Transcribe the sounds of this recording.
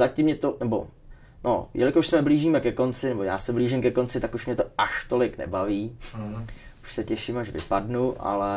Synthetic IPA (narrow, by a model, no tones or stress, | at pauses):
zacɪmɲɛt̪onɛbo̞̰ | no̰jɛlɪkoʃsmɛbliːʒiːmɛkɛko̞nt͡sɪnɛboja̰ːsɛbliːʒɪmkɛko̞nt͡sɪt̪akuʃmɲɛt̪o̞aʃt̪o̞lɪknɛ̰baviː | u̥ʃsɛcɛʃɪmaʃvɪ̰padnuʔa̰lɛ